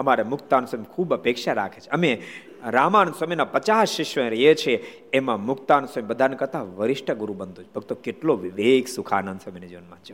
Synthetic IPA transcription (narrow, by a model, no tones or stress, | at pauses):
əmaɾemʊkt̪ansəmkʰubəpekʃaɾakʰet͡ʃʰeəme | ɾamansəminapət͡ʃasʃɪʃʋə̃ɾjet͡ʃʰeː | mãmʊkt̪ansəmibəd̪ʱankəɾt̪aʋəɾɪʃʈʰəɡuɾũbənd̪ũt͡ʃʰebʱəɡt̪okeʈloʋiʋeksukʰanənd̪səmined͡ʒonmãt͡ʃʰe